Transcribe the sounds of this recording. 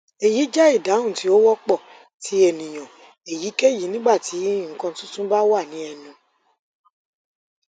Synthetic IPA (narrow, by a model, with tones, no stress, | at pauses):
e˨ji˨˦d͡ʒɛ˦i˦˨da˨˦ũ˦˨ti˨˦o˦wɔ˦k͡pɔ˦˨ | tʰi˨˦e˨nĩ˨j̃ɔ̃˨ | e˨ji˨˦ke˦˨ji˨˦nĩ˦ɡ͡ba˦˨ti˨˦ŋ̩˦˨kã˧tũ˦tũ˦ba˦wa˦˨nĩ˨˦ɛ˧nũ˧